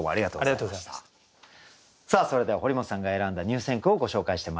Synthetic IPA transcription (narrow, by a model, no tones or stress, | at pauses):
omoaɾʲiɡat̪o̰ːɾiat̪o | saːso̞ɾe̞d̪eaho̞ɾʲimo̞sãŋɡae̞ɾãnd̪aɲ̟ɨːsẽ̞ŋkɯ̟o̞ɡo̞ɕo̞ːkaiɕi̥t̪e̞ma